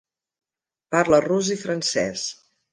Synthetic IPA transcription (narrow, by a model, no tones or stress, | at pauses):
paɾləruzifɾənsɛs